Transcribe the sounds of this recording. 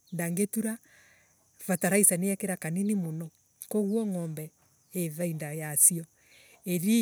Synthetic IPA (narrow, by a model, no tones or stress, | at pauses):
ndaŋɡetuɾa | fataɾaisaneɛkeɾakaninimonɔ | koɣwɔŋɔːmbɛ | eðaindajasiɔ | eɾi